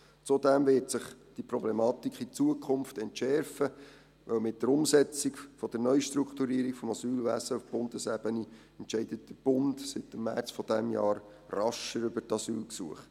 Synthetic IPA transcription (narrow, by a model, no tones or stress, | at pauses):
t͡sud̪ɛmvɪtsɪχd̥iprɔblɛmɑːt̪ikχit͡suəkʰχʊnftɛntʃɛɾfə | ʋœwmɪt̚dəɾʊmsɛt͡sikfɔd̥̪əɾnœʏʃt̪ɾukt̪uɾiəɾikfɔmɑsyːlʋæsəufb̥ʊndəsɛb̥əni | ɛntʃɛɪdət̚d̥əɾb̥ʊndsɪtːəmːæ̰rt͡sfɔd̥ɛmjɑːɾ | rɑʃəɾʏbətɑsyːlksuəχt